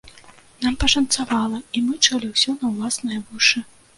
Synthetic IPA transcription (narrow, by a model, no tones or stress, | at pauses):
nampɐʂɐnt̪savalˠɐimɨt͡ʂalʲiwsʲɔnɐwlˠasnɐjɐvuʂɨ